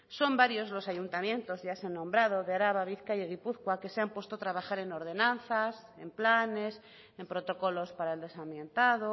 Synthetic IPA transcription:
so̞mbaɾjo̞zlo̞saʝunt̪amjẽ̞nt̪o̞zʝasanːõmbɾað̞oðeaɾaβaβiθkajeɣipuθkwake̞seampwe̞st̪ot̪ɾaβaxaɾe̞no̞ɾð̞e̞nãnθas | e̞mplane̞s | e̞mpɾot̪o̞ko̞lo̞spaɾaeld̪e̞samjẽnt̪aðo

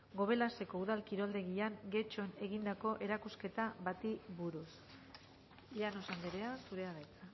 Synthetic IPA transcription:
ɡo̞β̞e̞last̪e̞ko̞uð̞alkiɾo̞ld̪e̞ɣiaŋɡe̞t͡ʃo̞ne̞ɣind̪ako̞ʔe̞ɾakuske̞t̪aβat̪iβuɾus | ʎano̞sand̪eɾeasuɾe̞aðajt͡sa

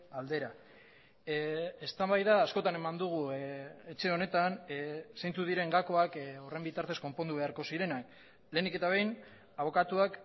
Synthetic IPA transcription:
ald̪e̞ɾa | est̪ambajðaːsko̞t̪ane̞mand̪uɣ̞uet͡ʃe̞o̞ne̞t̪ansejnt͡suð̞iɾe̞ŋɡako̞ako̞re̞mbit̪aɾt̪e̞sko̞mpo̞nd̪uβe̞aɾko̞siɾe̞nak | le̞ːnike̞t̪aβ̞ejn | aβo̞kat̪uak

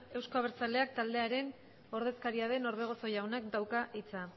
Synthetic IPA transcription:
e̞wskoaβeɾt͡sale̞ak̚t̪ald̪e̞aɾe̞n | o̞ɾðe̞skaɾiað̞e̞no̞ɾð̞e̞ɣ̞o̞so̞jawnakd̪awkaʔit͡sa

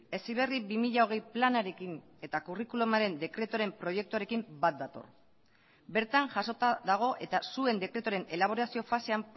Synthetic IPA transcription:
e̞siβe̞ribimiʎao̞ɣ̞e̞jplanaɾe̞kin | e̞t̪akurikulomaɾe̞nd̪e̞kɾe̞t̪oɾe̞mpɾo̞je̞k̚t̪uaɾe̞kimbat̪̚d̪at̪o̞̰r | be̞ɾt̪aŋʝaso̞t̪aðaɣ̞o̞ʔe̞t̪asue̞nd̪e̞kɾe̞t̪oɾe̞ne̞laβ̞o̞ɾasio̞fase̞am

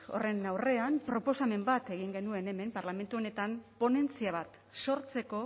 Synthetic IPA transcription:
o̞̰re̞nawre̞ampɾo̞po̞same̞mbat̪e̞ɣ̞iŋɡe̞nue̞ne̞me̞mpaɾlame̞nt̪uo̞ne̞t̪ampo̞ne̞nt͡siaβ̞at̪ | so̞ɾt͡se̞ko̞

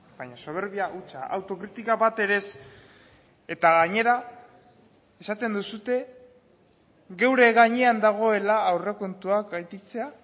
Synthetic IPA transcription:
baɲaso̞β̞e̞ɾβiaʔut͡ʃaʔa̰wt̪o̞kɾit̪ikaβat̪e̞ɾe̞s | e̞t̪aɣaɲe̞ɾa | e̞sat̪e̞nd̪usut̪e̞ | ɣe̞wɾe̞ɣaɲeand̪aɣ̞o̞e̞laːwre̞ko̞nt̪uakajt̪it͡se̞a

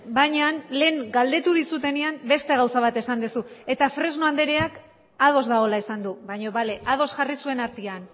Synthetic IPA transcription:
bajɲanle̞ːŋɡald̪e̞t̪uðisut̪e̞neambe̞st̪e̞ɣawsaβ̞at̪e̞sand̪esue̞t̪afɾe̞zno̞and̪e̞ɾeak | að̞o̞zd̪ao̞laesand̪uβajɲo̞βale̞ʔað̞o̞sʝarisue̞naɾt̪ian

